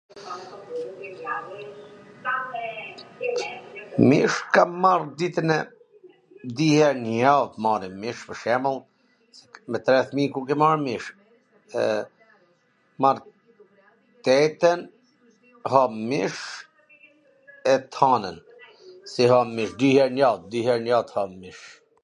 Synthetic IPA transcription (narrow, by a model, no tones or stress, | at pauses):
miʃkamard̪it̪ənɛ | d̪ihɛnjavmaɾimiʃvəʃɛməlˠ | sɛmɛt̪ɾɛθmikukɛmaɾmiʃ | ɛ | maɾ | t̪ɛt̪ɛn | hɔmiʃ | ɛt̪ʰanən | siɦamiʃd̪ihɛɾnjad̪ihɛɾnjat̪hɔmiʃ